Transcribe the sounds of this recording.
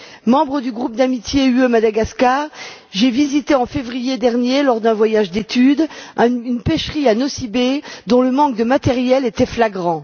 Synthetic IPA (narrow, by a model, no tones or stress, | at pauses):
mɑ̃bʁəd̪yɡʁup̚d̪amit̪jeyømad̪aɡaskaʁ | ʒevizit̪eɑ̃fevʁijed̪ɛʁnjelɔʁd̪ɛ̃vwajaʒd̪et̪yd̪ynpɛʃχianosibed̪ɔ̃ləmɑ̃k̚d̪əmat̪ɛʁjɛlet̪ɛflaɡʁɑ̃